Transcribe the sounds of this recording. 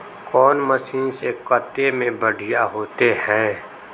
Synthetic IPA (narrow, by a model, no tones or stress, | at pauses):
kɔːnməsĩːnsekət̪emẽbəɽ̤ʱijaɦoːt̪eɦɛ̃ː